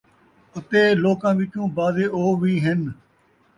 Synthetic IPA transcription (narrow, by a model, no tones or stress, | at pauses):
ət̪eːloːkãːʋɪt͡ʃũːbaːzeːoːʋiːɦɪn